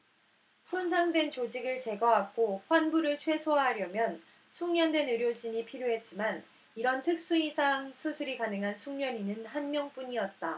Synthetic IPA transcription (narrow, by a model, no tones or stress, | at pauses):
sʰonsʰaŋdwe̞nt͡ɕod͡ʑiɡɯɭt͡ɕe̞ɡʌɦaɡ͈oɸwanbuɾɯɭt͡ɕʰwe̞sʰoaɦaɾjʌmjʌn | sʰuŋɲʌndwe̞nɯɾjod͡ʑiɲipʰiɾjoɦe̞t̚t͡ɕ͈iman | iɾʌntʰɯk̚s͈uisʰaŋsʰusʰuɾikanɯŋɦansʰuŋɲʌninɯnɦanmjʌŋp͈uɲiʌt̚t͈a